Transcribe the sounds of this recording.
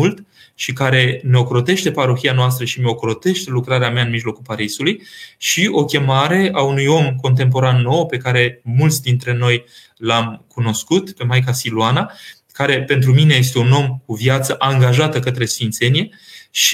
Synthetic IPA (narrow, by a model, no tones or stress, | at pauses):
ult̪ | ʃikaɾe̞me̞o̞kɾo̞t̪e̞ʃt̪e̞paɾoxianoas̬t̪ɾəʃimeo̞kɾo̞t̪e̞ʃt̪e̞lukɾaɾeameaɨnmiʒlo̞kulpaɾisulujʃio̞kʲe̞maɾe̞aunujo̞mko̞nt̪̬e̞mp̬o̞ɾanːo̞wpe̞kaɾe̞mult̪sʲd̪int̪ɾe̞no̞j | lamkuno̞skut̪pe̞majkasiluana | kaɾe̞pe̞nt̪̬ɾumine̞je̞s̬t̪e̞uno̞mkuvjat̪səʔaŋɡaʒat̪əkət̪ɾe̞sfint̪se̞nije̞ | ʃ